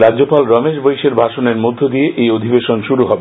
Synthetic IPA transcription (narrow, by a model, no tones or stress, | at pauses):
ɾad͡ʑopalɾɔmeʃ̬bojʃeɾbʱaʃoneɾmod̪ʱːod̪ijeʔejod̪ʱibeʃonʃuɾuɦɔbe